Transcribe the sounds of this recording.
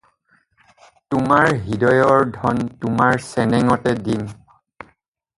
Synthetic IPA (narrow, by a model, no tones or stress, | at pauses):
tʊmaɹɦidɔjɔɹdʱɔntʊmaɹsɛnɛŋɔtɛdin